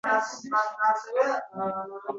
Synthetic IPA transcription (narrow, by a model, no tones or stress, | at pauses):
asaasɛvɛ